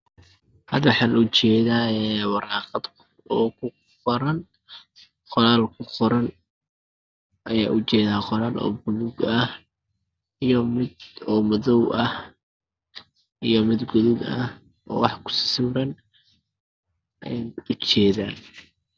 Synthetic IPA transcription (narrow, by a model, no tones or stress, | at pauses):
hɐd̪wħɑːnʊt͡ʃɛːðaːɛwɑɾɑːqɑd̪kʰ | ɔːkʰʊ | qɔɾɐn | qɔlaːlkʰʊqɔɾɐn | ʔɐjaːʔʊt͡ʃɛːðaːqɔɾaːlʔɔ̰ːbʊðʊɡɐh | ijɔmɪd̪ɔːmɐðɔwʔɐh | ʔijɔmɪd̪ɡʊðʊɡɐ̰h | ʔɔ̰ːwɑħkʰʊ̥sɪ̥sʊːɾɐn | ʔɐjanʊt͡ʃɛːðaːn